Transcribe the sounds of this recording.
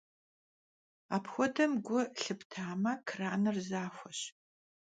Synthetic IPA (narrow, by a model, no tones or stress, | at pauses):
aːpʰxʷɔdɐmɡʷʊɬɨptʰaːmɐkʰraːnɨrzaːxʷɔɕ